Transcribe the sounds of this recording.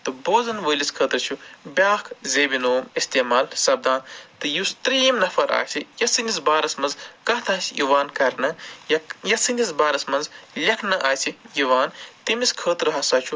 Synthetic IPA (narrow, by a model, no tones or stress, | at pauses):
t̪ɨboːzɐnʋəːliskʰəːt̪ɾt͡ʃʰubʲjaːkʰzeːbinoːmist̪eːmaːlsɐb̚d̪aːnt̪ɨjust̪ɾiːmnɐfʰɐɾa̰ːsʰijɐsɨnisbaːɾɐsmɐnzkɐːt̪ʰaːsʲjuʋaːnkɐɾnɐjɐjɐsɨnisbaːɾɐsmɐnzlʲɐkʰnɐʔaːsʰijuʋaːnt̪imiskʰəːt̪ɾɐɦasaːt͡ʃʰu